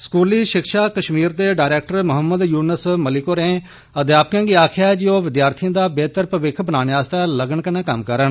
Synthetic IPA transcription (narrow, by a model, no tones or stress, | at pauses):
skuːliːʃɪkʃaːkəʃmiːɾd̪eːɖaːjɾeːk̚ʈəɾmʊɦəmːəd̪juːnəsməlɪkoɾẽː | əd̪jaːp̚kãːɡiːaːkʰjaːd͡ʒoːʋɪd̪jaːɾt̪ʰijãːd̪aːbeːt̪əɾpəʋɪkʰbənaːneaːst̪aːləɡəɳkənãːkəmkəɾən